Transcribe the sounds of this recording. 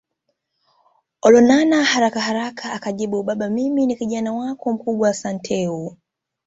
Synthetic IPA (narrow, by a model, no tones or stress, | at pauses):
ɔlɔnanahaɾakahaɾakʰaːkaʄiɓuɓaɓamiminikiʄanawakɔm̩kuɓwaːsantʰɛu